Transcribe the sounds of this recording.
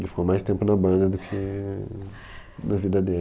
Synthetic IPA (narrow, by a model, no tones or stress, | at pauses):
lɪfi̥komajst̪ẽmpʊnɐbɐ̃d̪ɐd̪ʊkʰɪ | nɐvid̪ɐd̪e